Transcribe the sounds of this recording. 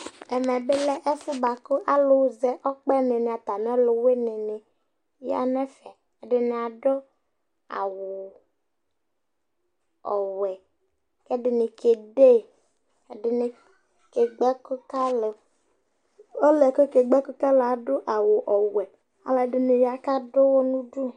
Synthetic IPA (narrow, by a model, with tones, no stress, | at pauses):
ɛ˨mɛ˨be˦lɛ˦ʔɛ˦fu˦ba˨ko˦ʔa˦lʊ˦wzɛ˦ʔɔ˦k͡pɛ˦ne˨nɪ˨a˨t̪a˨nĩ˦ɔ˦lʊ˨we˦ne˨nɪ˨ | ja̰˦nɛ˦fɛ˨ | a˨ɖɪ˦ne˨a˨ɖɔ˦ | a̰˨wʊ˨ | ɔ˨wɛ˨ | kɛ˦ɖɪ˨ne˨ke˨ɖe˦˨ | dɪ˨ne˨ | ke˨ɡ͡bɛ˦ko˦ka˦le˨ | o˦lɛ˨ko˦ke˨ɡ͡bɛ˦ko˦ka˦le˨a˨ɖʊ˦ʔa˨wo˨ʔɔ˨wɛ˨ | a̰˨la˨ɖɪ˨ne˨ja˦ka˦ɖo˦wo˦nũ˦ɖu˦